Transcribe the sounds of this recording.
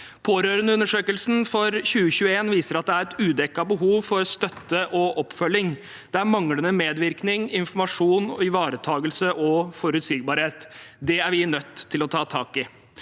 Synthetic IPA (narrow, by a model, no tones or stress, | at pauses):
pʰoːɾøːɾənəʉnːəʂøːkəlsn̩fɔɾçʉːəɕʉːəeːnʋiːsəɾɑt̪̚d̪ɛæɾɛt̪ʉːd̪ɛkːɑbəɦuːʋfɔɾst̪œt̪ːəʔɔʔɔpːfœlːɪŋ | d̪̥ɛæɾmɑŋɽənəmeːd̪ʋɪɾknɪŋɪnfɔɾmɑʂuːnɪʋɑːɾət̪ʰɑːɡəlsəʔɔfɔɾʉt̪siːɡ̚bɑːɾheːt̪d̪ɛæɾʋɪnœt̪ʰːɪlɔt̪ʰɑːt̪ʰɑːkɪ